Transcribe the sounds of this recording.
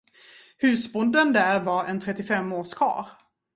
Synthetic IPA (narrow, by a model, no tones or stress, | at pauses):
hʉ̟ːsbʊnd̪ənd̪æɾvɑɾɛ̰nt̪ʰɾɛt̪ːɪfɛmːoːʂkʰɑ̰ːɾ